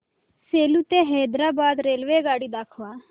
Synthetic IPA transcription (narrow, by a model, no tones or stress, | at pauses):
selut̪eɦɛd̪ɾabad̪ɾelʋeɡaɽiːd̪akʰʋa